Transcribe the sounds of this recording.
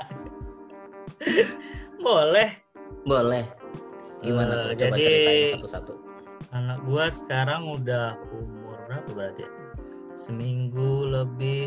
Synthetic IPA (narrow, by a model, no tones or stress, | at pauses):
bolɛh | bolɛh | ɡiəmanad͡ʒabadiasat̪usat̪u | anak̚ɡuasə̥kaɾaŋudahumʊrnap̪abəɾat̪ḭ | səmiŋɡuləbɪ